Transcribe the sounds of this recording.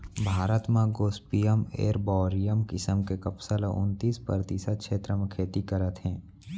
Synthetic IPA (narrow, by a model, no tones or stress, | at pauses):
bʱaːɾət̪mãɡoːspijəmḛːɾbɔːɾijəmkɪsəmkekəpsələʔʊ̰nt̪iːspəɾət̪isət̪̚kʃʰeːt̪ɾəmẽkʰeːt̪ikəɾət̪ɦɛ̃ː